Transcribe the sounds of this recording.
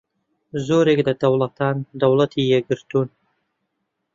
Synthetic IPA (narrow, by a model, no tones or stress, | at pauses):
zoːɾekd̪ad̪awlat̪ʰɑːnd̪awlat̪ʰijɛɡɨɾt̪un